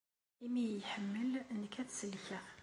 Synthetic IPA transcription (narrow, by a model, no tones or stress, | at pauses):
imijħəmːəlnːəkæt̪səlːçə